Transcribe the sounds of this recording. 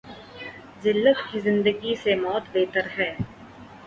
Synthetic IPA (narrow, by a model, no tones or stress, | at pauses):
zɪlːət̪kizɪ̃nd̪əɡisemɔːt̪beːt̪əɾɦɛː